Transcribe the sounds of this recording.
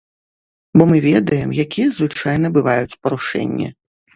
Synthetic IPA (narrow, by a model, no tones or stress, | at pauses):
bɔmɨvʲɛd̪ɐjɛmjakʲijɐzvɨt͡ʂajnɐbɨvajut͡sʲpɐɾuʂɛ̰nʲːḭ